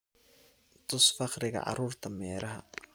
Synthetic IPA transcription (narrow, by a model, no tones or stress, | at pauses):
t̪ʰʊsfɑqɾɪɣɐ̰ʕɑ̰ɾuːrt̪ʰɐmɛːɾʔɐɦɐ̰